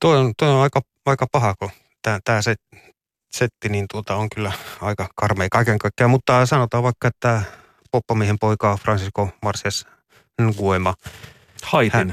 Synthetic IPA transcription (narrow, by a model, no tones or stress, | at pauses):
t̪oiont̪oionɑikɑ | ɑikɑpɑhɑko | t̪æt̪æːset | set̪ːiniːnt̪uot̪ɑoŋkylːæɑikɑkɑrmeikɑikeŋkɑikːeɑmut̪ːɑsɑnot̪ɑːʋʋɑikːɑet̪ːæ | popːɑmiehempoikɑfrɑnsiskomɑrsiɑs | nɡuemɑ | hɑithæen